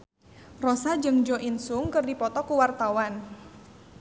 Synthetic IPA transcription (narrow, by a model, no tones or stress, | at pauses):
rɔsad͡ʒɨŋd͡ʒɔʔinsuŋkɨrdipɔt̪ɔkuwart̪awan